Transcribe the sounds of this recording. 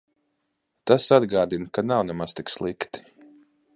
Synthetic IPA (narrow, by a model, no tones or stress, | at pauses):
t̪asad̪ɡaːd̪inkanawnɛmast̪ikslˠikt̪i̥